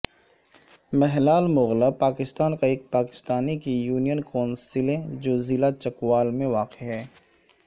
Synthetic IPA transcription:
mɛɦlaːlmʊɣlapaːkɪst̪aːnkaeːk̚paːkɪ̥st̪aːnikijuːnijənkoːnsɪlẽd͡ʒoːzɪlat͡ʃɐkʋaːlmẽʋaːqeɦɛː

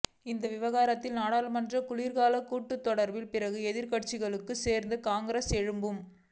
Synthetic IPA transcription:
ɪnd̪ɐʋɪʋɐɣaːɾɐt̪ːɪlnaːɽaːlmɐndrɐkʊliːɾɣaːlɐkːuːʈːɯt̪ːɔɽɐɾbɪlpɪɾɐɣɯɛðɪɾkɐʈ̚t͡ʃɪɣɐɭɯkːɯseːɾnd̪ɯkaːŋɡɪɾɐsɛɻɯmbɯm

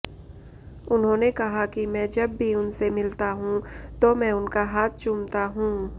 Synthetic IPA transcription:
ʊnɦõːnekɐɦakimɛ̃ːd͡ʒɐbːʱiʊnsemɪlt̪aɦũːt̪omɛ̃ːʊnkaɦaːt̪̚ʰt͡ʃʊmt̪aɦũː

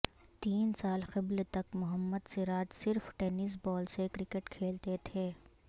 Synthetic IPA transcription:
t̪iːnsaːlxɪblt̪ɐkmʊɦəmːəd̪seɾaːt̪sɪɾfʈɛːnis̬bɔːlsekɾɪkeʈkʰeːlt̪et̪ʰeː

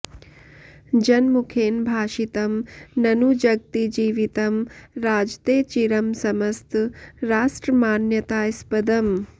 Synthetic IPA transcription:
d͡ʒɐnmukʰeːnbʱaːʃit̪ɐmnɐnud͡ʒɐɡ̚t̪id͡ʒiːʋit̪ɐmɾaːd͡ʒt̪eːt͡ʃiɾɐmsɐmɐst̪ɾaːʂʈɾɐmaːnjɐt̪aːjspɐd̪ɐm

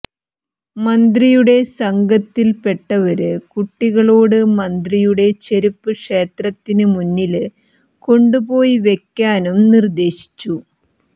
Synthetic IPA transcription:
mɐnd̪rijuɽe̞sɐŋɡɐt̪ːilpe̞ʈːɐʋɐɾɨkuʈːiɣɐɭo̞ːɽɨmɐnd̪rijuɽe̞t͡ɕeɾipːɨkʂe̞ːt̪rɐt̪ːinɨmunːil | ko̞ɳɖubo̞ːjiʋe̞kʲːaːnumnird̪e̞ːɕi̥t͡ɕːu

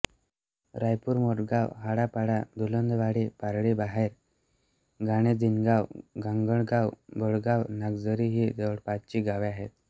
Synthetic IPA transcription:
ɾajpuːɾmoʈɡawɦaɽapaɽad̪ulənd̪ʋaɽipaɾɭibaɦeɾ | ɡaɽ̃ed͡zinɡawɡaŋɡəɳɡawbəɽɡawnaɡd͡zəɾiɦid͡z̪əʋɽpat̪t͡ɕiːɡaʋiaɦet̪̚

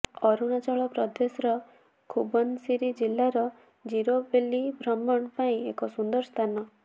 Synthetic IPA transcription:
ɔɾunat͡ʃɔɭɔpɾɔd̪esɔɾɔ | kʰubɔnsiɾid͡ʒilːaɾɔ | d͡ʒiɾobelibʱɾɔmːɔɳpaĩekɔsund̪ɔɾst̪ʰanɔ

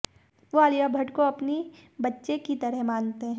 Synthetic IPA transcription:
ʋoaːlɪjabʱɐʈkoɐpnibɐtːʃekit̪ɐɾəɦmãːnt̪eɦɛ̃

